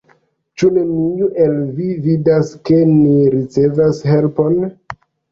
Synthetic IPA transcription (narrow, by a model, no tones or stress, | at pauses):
t͡ʃunemijuʔelvividaske̞niɾit͡se̞vashe̞lpo̞n